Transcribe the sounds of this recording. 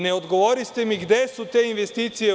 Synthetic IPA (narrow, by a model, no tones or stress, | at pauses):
neod̪ɡoʋoːɾist̪emiɡd̪esut̪einʋest̪iːt̪sije